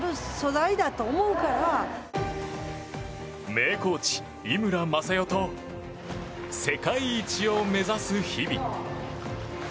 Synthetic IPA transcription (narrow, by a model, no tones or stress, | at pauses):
ɾoso̞zaid̪at̪o̞ːmo̞ɯ̟kaɾa | me̞ːko̞ːt͡ɕi̥ | imɯ̟ɾamasajo̞t̪o̞ | se̞kaiːt͡ɕio̞me̞zasɨçibʲḭ